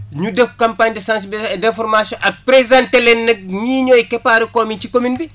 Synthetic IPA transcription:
ɲudəfkãmpaɲdəsãːns̬bdɛ̃fɔɾmasjɔ̃ʔɐk̚pɾezãntɛlɛnːɐk̚ɲiːɲɔːjkɛpaɾikɔːmincikominbi

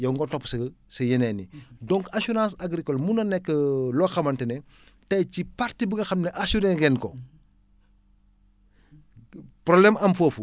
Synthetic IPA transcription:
jɐŋɡɔtɔpːsɐsɐjɐnɛnidɔ̃ŋkasuɾãːsaɡɾikɔlmunɐnɛkːəlɔxɐmɐntənɛ | tɐjcipaɾtibuŋɡɐxɐmnɛʔasuɾɛŋɡɛnko | pɾoblɛmɐmfoːfu

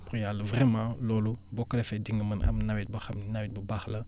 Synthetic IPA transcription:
puʁjaləvʁɛmɑ̃lolubokəlefɛdiŋɡəməna̰mnawit̪̚bəxamnawit̪̚bəbaxlɐ

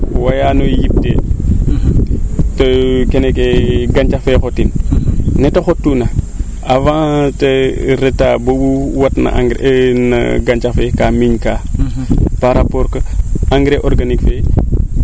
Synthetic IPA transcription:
wajanojip̚tḛ | tɐkenekeɡant͡ʃafekotinnɛtɐxotːunɐ | avãtɐɾetaːbobuwɐtnɐ̰ʔa̰ŋɡnɐ̰ɡant͡ʃafekaːmiɲkaː | paɾapɔɾkɐaŋɡɾeʔɔɾɡanikfe

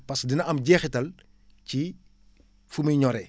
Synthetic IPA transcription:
pɐsdinɐɐmɟɛːxitɐl | ci | fumɐɲɔɾɛ

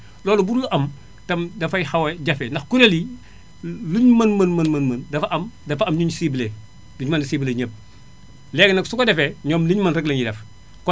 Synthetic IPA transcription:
lɔːlɔbuɾuluʔɐm | tɐmdɐfɐjxaweɟɐfendɐxkuɾeli | luɲmɐnmɐnmɐnmɐnmɐndɐfɐʔɐmdɐfɐmɲuɲsiːbile | luɲmɐndisiːbileɲəp̚ | lɛɡnɐksukodɛfɛɲɔːmliɲmɐnɾɛɡlɐɲjidɛf | kɔ

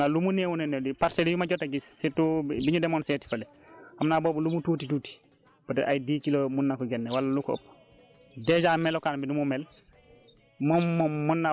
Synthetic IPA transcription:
alumunewunɛnːɛdipaɾselijumaɟɔtːaɡissitubiɲudɛmɔnsɛːti̥fɐlɛ | hamnaːboːbulumutuːtituːti̥ | b̥ɐtɛʔajdiːkilomunːakɔɡɛnːɛwalːalukɔo̰pː | dɛd͡ʒamɛlɔkaːnbinumumɛl | mɔmunːa

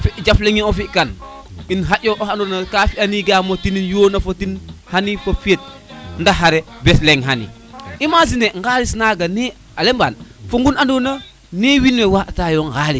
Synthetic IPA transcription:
fiʔd͡ʒafleŋiofiʔkan | inɦaʔoʔohanonakafianiɡamotininjoːnafotinhanifafiet̚ndaɦaɾebesleŋɦanḭ | imazindeŋɡalisnaɡane | alemba̰nfoŋɡunandona | newinlewaʔtajoŋɡali

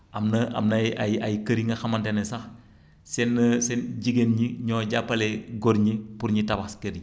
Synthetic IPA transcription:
ɐmnɐɐ̰mnɐajajkɐɾiŋɡɐxɐmɐntenesɐx | senːɐsenɟiɡenɲiɲoːɟapːɐleɡoɾɲipuɾɲitɐbaskɐɾɲi

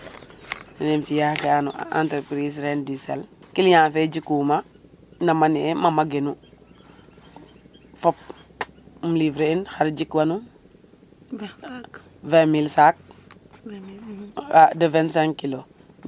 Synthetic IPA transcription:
nenfijakɛanṵa̰ntəɾpɾis̬ɾɛndisɛlkilɲafed͡ʒikuma | namaniɛmamaɡenu | fop̚ | mulivɾeinhaɾd͡ʒikwanu | vɛmilsak̚ | adəvɛnsaŋkilo

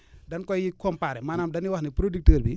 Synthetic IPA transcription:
dɐnkɔjikɔmpaːɾɛmaːnaːmdɐniwɐxnipɾodik̚təːɾbi

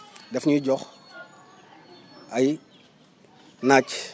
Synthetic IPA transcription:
dɛfɲuɟɔx | ʔɐj | naːc

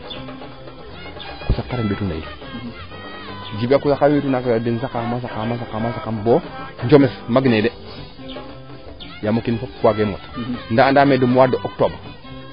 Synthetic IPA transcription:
kusakːaɾembetuna̰jḭdi | d͡ʒibakusakːaɾembetunakadənsakamas̬akamas̬akːamasakanboɲd͡ʒomesmaɡnede | jamokinfop̚kuaɡemo̰tndandamedəmwadəʔok̚tob

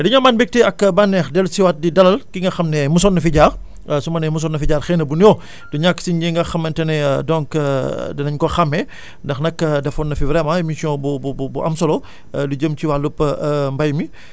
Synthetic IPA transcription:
diɲɐmanbɛk̚tɛɐkbanːɛːxdɛlsiwɐt̚didɐlɐlkiŋɡɐxɐmnɛmus̬ɔnːɐfiɟaːɾ | sumɐnɛmus̬ɔnːɐfiɟaːrxɛnɐbunjɔ | duɲakːsiɲɟiŋɡɐxɐmːɐntɐnɛdɔŋkdɐnɐɲkɔxɐmːɛ | ndɐxnɐkdɛfɔnːɐfivɾɛmɐemisijɔ̃bubububuʔɐ̰msɔlɔ | duɟəmt͡ʃiwalupːmbɐjmi

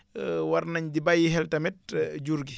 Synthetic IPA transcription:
waɾnaɲdibajːiɦɛltɐmɛt̚d͡ʒuɾɡi

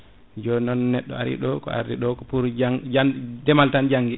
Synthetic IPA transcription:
d͡ʒɔnɔnːɛɗːɔ̰a̰ɾḭɗɔkɔ̰a̰ɾdiɗɔkɔpuɾd͡ʒaŋd͡ʒandɛmaltand͡ʒaŋɡi

